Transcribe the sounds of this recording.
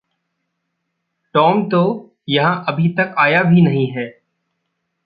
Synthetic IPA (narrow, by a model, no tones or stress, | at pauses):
ʈɔːmt̪o | jɐɦãʔɐbʱit̪ɐkaːjabʱinɐɦĩɦɛː